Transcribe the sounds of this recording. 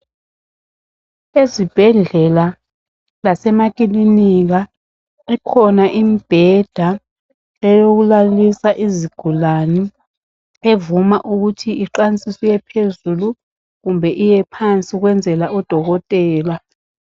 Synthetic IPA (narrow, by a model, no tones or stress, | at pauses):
ezib̥ʱɛɮɛla | lasɛmak̬ʼiliniɣ̬a | ikʰɔnaʔimib̥ʱɛd̥ʱa | ɛjoɣulalisaʔiziɡ̥ʱulani | evumaʔuɣutʰiiǃanisʼisijɛpʰezulu | ɣumbʱɛʔijɛpʰant͡sʼiɣwɛnd͡zʱɛlaɔd̥ʱɔɣɔtʼɛːla